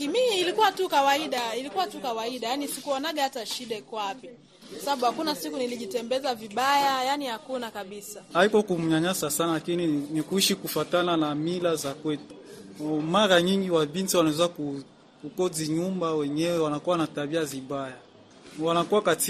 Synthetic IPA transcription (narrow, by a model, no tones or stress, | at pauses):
miːlikuwatukawaiɗailikuwatukawaiɗajanisikuanaɡaataʃiɗaikwapi | kwasaaɓuhakunasikuniliʄitɛmbɛzaviɓajajanihakunakaɓisaaikɔkumuɲaɲasasanalakininikuiʃikufatananamilazakwɛtu̥ | maɾaɲiŋɡiwaɓintiwanaɛzaku | kukɔziɲumbawɛɲɛwɛwanakuwanataɓiaziɓaja | wanakuwakati